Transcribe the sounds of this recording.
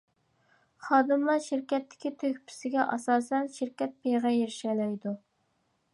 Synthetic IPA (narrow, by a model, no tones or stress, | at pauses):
χɑːd̪ɨmlˠɑɾʃɪɾkʲɛt̪ʰːɪ̥kʲit̪ʰøkʲpʰɪ̥sɪɡʲɛʔɑsɑːsɛnʃɪɾkʲɛt̪̚pʰejʁɛjeɾɪʃɛlɛjd̪u